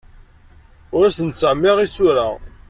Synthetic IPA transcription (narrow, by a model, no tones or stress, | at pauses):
ʊɾæsənt͡sːəʕmːiʁisʊɾa